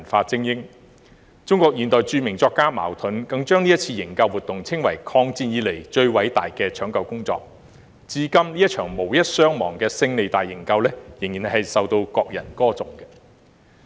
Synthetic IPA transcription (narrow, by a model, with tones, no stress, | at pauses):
nfaː˧t͡sɪ˥ŋjɪ˥ŋ | t͡sʊ˥ŋkɔː˧k̚jiː˨˩nt̪ɔː˨jt͡ʃyː˧mɪ˨˩ŋt͡sɔː˧kːaː˥ma̰ː˨˩wt̪ʰɵ˨˥nkɐ˨˧˥ŋt͡ʃœː˥ŋniː˥jɐ˥t̚t͡sʰiː˧jɪ˨˩ŋkɐ˧wuː˨t̪ːʊ˨ŋt͡sʰɪ˥ŋwɐ˨˩jkʰɔː˧ŋt͡siː˧njiː˨˧le˨˩jt͡ʃɵ˧ɥwɐ˨˥jt̪aː˨jkɛː˧t͡ʃʰœː˨˥ŋkɐ˧wkʊ˥ŋt͡sɔ̰ː˧k̚ | t͡siː˧˥kɐ˥mliː˥jɐ˥t̚t͡ʃʰœː˨˩ŋmo˨˩wjɐ˥t̚sœː˥ŋmɔː˨˩ŋkɛː˧sɪ˧ŋne˨jt̪aː˨jːɪ˨˩ŋkɐ˧wlɛː˥jɪ˨˩ŋjiː˨˩nhɐ˨˩hɐ˨jsɐ˨wt̪o˧wkɔː˧k̚jɐ̰˨˩nkɔː˥t͡sʊ˨˩ŋkɛ˧